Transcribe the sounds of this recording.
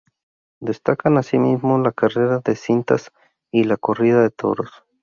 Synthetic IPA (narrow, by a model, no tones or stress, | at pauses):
d̪e̞st̪akanasimizmo̞lakare̞ɾaðe̞sint̪as | ilako̞riðaðe̞t̪ʰo̞̰ɾo̞s